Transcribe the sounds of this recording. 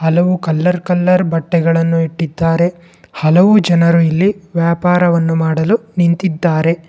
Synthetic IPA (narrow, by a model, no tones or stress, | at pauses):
hɐlɐʋukɐlːɐɾkɐlːɐɾbɐʈːɛɡɐɭɐnːuiʈːid̪ːaːɾe | hɐlɐʋud͡ʒɐnɐɾuilːiʋjaːpaːɾɐʋɐnːumaːɽɐlunint̪id̪ːaːɾe̞